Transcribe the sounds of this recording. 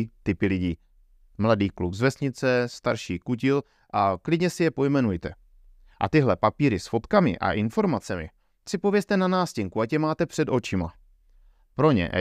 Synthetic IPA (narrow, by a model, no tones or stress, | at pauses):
t̪ɪpɪlɪɟiː | mladiːklukzvɛsɲɪt͡sɛst̪aɾʃiːkucɪl | ʔaklɪdɲɛsɪjɛpo̞jmɛnujt̪ɛ | ʔa̰t̪ɪɦlɛpapiːɾɪsfo̞t̪kamɪ̰ʔa̰ʔɪnfo̞ɾmat͡sɛmɪ̰ | sɪpo̞vjɛst̪ɛnanaːscɪŋkuacɛmaːt̪ɛpr̥ɛd̪o̞t͡ʃɪma̰ | pɾo̞ɲɛ̰ʔ